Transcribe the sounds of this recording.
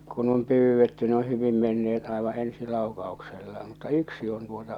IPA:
kun om pyːʋːetːy ne o hyʋim menːeet ɑẽʋɑ̃ː ensi lɑˑu̞kɑu̞kselːɑ mutːɑ yksi on tuotɑ

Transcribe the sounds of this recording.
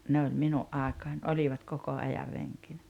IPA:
ne olʲ minuʔ ʔɑˑekɑːnʲ olʲiʋɑt koko ɑjɑr reŋkinæ

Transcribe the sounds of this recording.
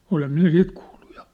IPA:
olem minæ sit kuːll̥u̥ j̊ɑ̥

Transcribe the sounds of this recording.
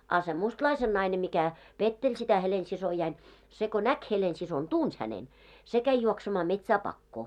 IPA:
ɑˑ se mustlɑisen nɑine mikæ petːelʲ sitæ helensisojɑin se ko næk helensison tuns hænen se kæi juoksemɑː metsæː pɑkːoː

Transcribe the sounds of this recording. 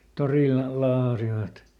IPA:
toriˑlˑɑ lɑːhɑsiʋɑt

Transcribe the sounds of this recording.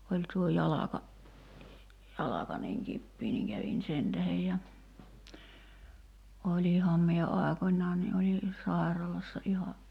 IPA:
olʲ tuo jɑlɑkɑ jɑlɑkɑ niŋ kipːiː niŋ kæʋin sen tæhej jɑ olʲihɑm mie ɑˑekonʲˑɑː ni ʔoli sɑˑi̞rɑlɑsːɑ ʔihɑ

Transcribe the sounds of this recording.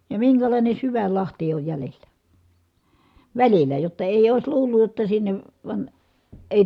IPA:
jɑ miŋkælɑˑine syʋæl lɑhti oj jælelˑæ ʋælilæ jotːɑ eˑi̯j oˑis luːlːuj jotːɑ sinːeʋ ʋɑn eˑi̯

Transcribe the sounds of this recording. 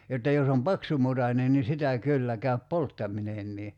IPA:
jotːɑ jos om pɑksumutɑnen ni sitæ kylːæ kæyp poltːɑminenːiː

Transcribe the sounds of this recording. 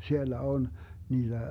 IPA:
sielːæ on niːd̥æ

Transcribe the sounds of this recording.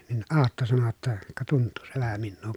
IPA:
nin ɑːtːo sɑno jotːɑ kɑ tuntːuː se ʋæhæ minːuː

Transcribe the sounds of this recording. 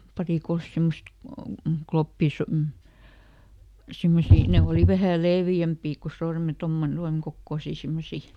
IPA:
pɑriˑ kols simːost klopːiˑs m̩ simːosiː ne oˑli ʋæhæˑ leːʋjæmpi ko sorme tomːone tuɑŋ kokːoˑsiˑ simːosi

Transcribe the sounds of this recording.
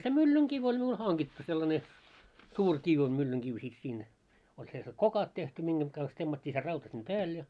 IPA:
se mylːyŋkiʋ olʲ miul hɑŋɡ̊itːu selːɑne suːr kiʋ o mylːyŋkiʋ sit siːn olʲ selse kokɑt tehty miŋɡ̊eŋ ɡ̊ɑns temːɑtʲːiː se rɑutɑ sim pæːl jɑ

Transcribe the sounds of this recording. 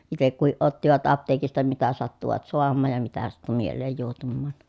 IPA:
itek kuhiʔ ʔotːiʋɑt ɑpteːkistɑ mitæ sɑtːuʋɑt soɑmːɑːj jɑ mitæ sɑtːu mielˑeːj juohtumːɑːn

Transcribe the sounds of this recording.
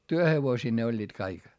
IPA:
tyøheʋosiː ne olʲːiːt kɑik

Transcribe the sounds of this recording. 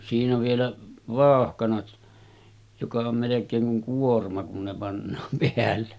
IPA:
siːnæ ʋielæ ʋɑˑohkɑnɑt jokɑ om melekˑeːŋ kuŋ kuormɑ kun ne pɑnːɑːm peælːe

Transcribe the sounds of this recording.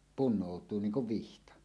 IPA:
punˑoˑutˑuː niːŋ kuʋ ʋihtɑ

